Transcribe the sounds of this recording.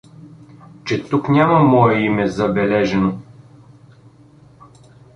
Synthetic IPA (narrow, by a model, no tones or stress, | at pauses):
t͡ʃɛt̪uknʲamɐmɔɛimɛzɐbɛlɛʒɛno